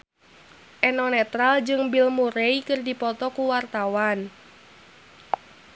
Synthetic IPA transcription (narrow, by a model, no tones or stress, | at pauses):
ʔɛnɔnɛt̪ɾald͡ʒɨŋbilmuɾeikɨrdipɔt̪ɔkuwart̪awan